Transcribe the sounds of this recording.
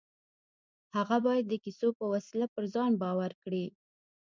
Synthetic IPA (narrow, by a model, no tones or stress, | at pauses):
haɣabɑjad̪ːəkisopəwasilapəɾzɑnbɑwaɾkɽi